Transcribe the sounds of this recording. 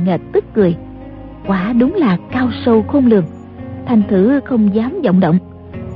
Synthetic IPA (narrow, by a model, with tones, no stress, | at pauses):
ŋə˨˩t̚t̪ɨ˦˥k̚kɨ˨˩əj | kwaː˧˩ɗʊ˨˦ŋ͡mlaː˨˩kaː˧wsə˧wxo˧nlɨ˨˩əŋ | t̪ʰa˨˩jŋ̟t̪ʰɨ˧˩xə˧wŋ͡mzaː˨˦mzə̰˧˨wŋ͡mɗə̰˧˨wŋ͡m